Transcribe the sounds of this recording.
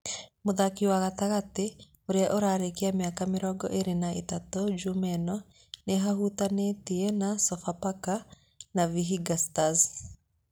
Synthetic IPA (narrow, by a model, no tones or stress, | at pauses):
moðakiwaɣataɣate | oɾeaʔoɾaɾekeamjakameɾɔɡɔ̰ʔeɾenaʔetatɔd͡ʒumɛnɔ | neɦahutanetienasɔfapaka | naviɦiɡastaz